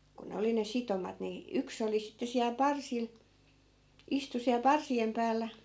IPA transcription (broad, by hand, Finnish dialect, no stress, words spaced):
ku ne oli ne sitomɑt ni yks oli sitːe siæl pɑrsil istu siæl pɑrsiem pæːlːæ